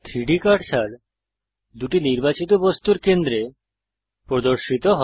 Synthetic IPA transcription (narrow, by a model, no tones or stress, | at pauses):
t̪ʰɾiɖikaʈʃʰaɾ | d̪uʈiniɾbat͡ɕit̪̬obost̪uɾkend̪ɾe | pɾod̪oɾʃit̪oɦɔ